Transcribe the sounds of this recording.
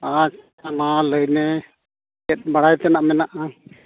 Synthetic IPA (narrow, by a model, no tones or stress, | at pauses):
at͡ʃ | analəjnɛ | ɛt̪̚ˀbaɽajt̪ɛnaʔmɛnaʔa